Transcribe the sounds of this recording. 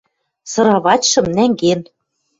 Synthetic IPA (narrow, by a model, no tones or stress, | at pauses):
sɤ̆ɾɑβɑtʲʃɤ̆mnæŋɡen